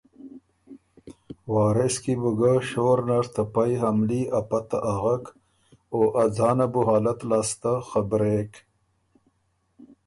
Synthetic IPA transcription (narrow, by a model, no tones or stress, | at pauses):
waːɾeskibuɡaɕoːɾnaɾt̪apajɦɐmliɐpat̪aʔaɣak | oːʔɐd͡zaːnabuɦaːlɐt̪laːst̪axabɾek